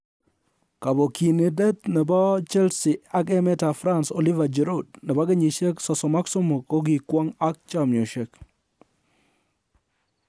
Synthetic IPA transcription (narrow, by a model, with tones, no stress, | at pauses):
ka˨bo˨ki˨ne˨dɛ˦t̪nɛ˨ba˦t͡ʃɛ˦lsɪ˨a˦ɡɛ˦mɛ˦ta˨fɾa˦nso˨li˦va˨d͡ʒe˨ɾo˦d̚nɛ˨ba˦ɡe˦ɲi˨ʃe˦ksɔ˨sɔ˨ma˦ksɔ˦mo˨ko˦ɡi˨kwa˦ŋa˦k̚t͡ʃa˦mjo˨ʃe˦k